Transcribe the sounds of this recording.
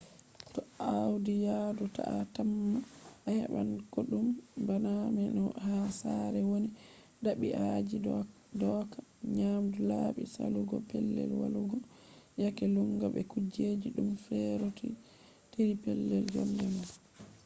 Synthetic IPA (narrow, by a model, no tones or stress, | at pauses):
tɔawdijaduta̰ʔatamːaːhɛɓankoɗumbanamɛnɔhasaɾɛwoni | daɓiʔai | dɔːkḁɲamdulaɓisa̰luɡɔpɛlːɛ̰lwa̰luɡɔ | jakɛluŋɡaɓɛkud͡ʒed͡ʒiɗumfɛɾoti | teɾipɛlːɛld͡ʒɔ̰md͡ʒama